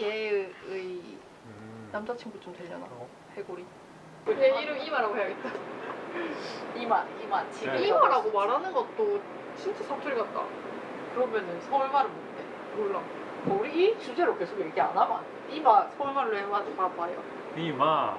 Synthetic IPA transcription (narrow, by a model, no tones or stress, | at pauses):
jeɯi | namd͡ʑat͡ɕʰiŋbut͡ɕomtweʎːʌna̰o | heɡoɾi | eiɾɯmimaɾaɡoɦejaɡet͈a | imaɾimant͡ɕiimaɾaɡomaɾɦanɯnɡʌt̚t͈o | t͡ɕint͡ɕ͈esʰʌk̚tʰuɾiɡat̚t͈a̰ | kɯɾʌmjʌnɯnsʰʌuɭmaɾɯmondḛ | koɾa̰ | koɾiit͡ɕud͡ʑeɾok͈ʰesʰoɡiɾɯkʰea̰nama̰n | imasʰʌuɭmaɭːoemad͡ʑompapajʌ | ima